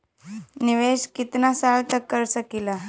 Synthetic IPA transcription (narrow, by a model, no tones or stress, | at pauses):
niʋeɕkit̪nasaɭt̪əkːəɾsəkila